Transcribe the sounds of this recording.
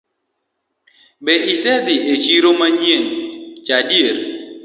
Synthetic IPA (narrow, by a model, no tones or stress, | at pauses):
bɛʔisɛd̪ɪʔet͡ʃiɾomaɲent͡ʃadjeɾ